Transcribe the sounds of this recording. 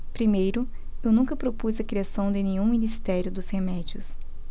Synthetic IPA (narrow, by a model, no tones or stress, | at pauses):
pɾimejɾʊ | ewnũkɐpɾopuzɐkɾiasɐ̃w̃d̪ɪnẽɲũminist̪ɛɾjʊd̪ʊzhemɛd͡ʒiʊs